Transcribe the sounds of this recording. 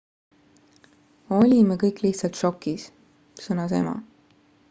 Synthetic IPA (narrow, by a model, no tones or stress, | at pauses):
o̞lʲimekɤjkliht̪sɑlt̪ʃo̞kːis | sɤnɑse̞̰mɑ̰